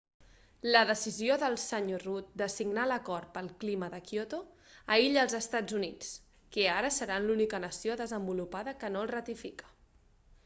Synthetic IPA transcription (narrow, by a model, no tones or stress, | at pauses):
ləðəsizioðəlˠsəɲorut̪̚d̪əsiɡnaləkɔrt̪̚pəlˠkliməðəkjot̪o | əiʎəlˠzəst̪ad͡zunit͡s | keaɾəsəɾanlunikənəsioðəzəmbulupaðəkənolˠrət̪ifikə̥